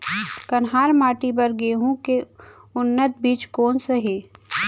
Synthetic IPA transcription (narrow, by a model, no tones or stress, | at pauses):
kɐnɦaːɾmaːʈibəɾɡeːɦũkeʊnːət̪̚biːt͡ʃkoːnseɦeː